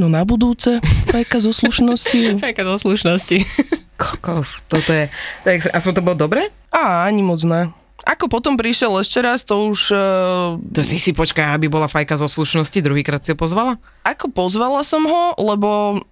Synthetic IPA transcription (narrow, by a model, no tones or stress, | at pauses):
nɔnabud̪uːt͡sɛfajkazɔsluʃnɔscifajkazɔsluʃnɔscikɔkɔst̪ɔt̪ɔjɛt̪ɔɛɛksɾɛʔasɔmt̪ɔbɔld̪ɔbɾɛ | aːaɲimɔd͡zna | ʔakɔpɔt̪ɔmpɾiʃɪɛlɛʃcɛɾast̪ɔuʒ | t̪ɔsisipɔt͡ʃkajabibɔlafajkazɔsluʃnɔscid̪ɾuɦiːkɾaːt̪siɦɔpɔzʋala | akɔpɔzʋalasɔmɦɔlɛbɔ